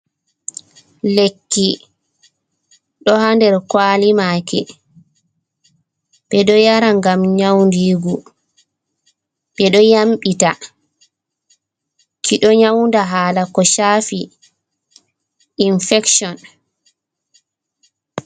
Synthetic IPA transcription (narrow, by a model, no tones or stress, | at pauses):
lekːi | ɗɔhandɛɾkwaːlimaːkɛ̰ | ɓ̥ɛɗɔjaɾaŋɡamɲawndiːɡu | ɓɛɗɔjamɓita | kʰiɗɔɲawndaɦaːlakɔʃafi | infɛksɔn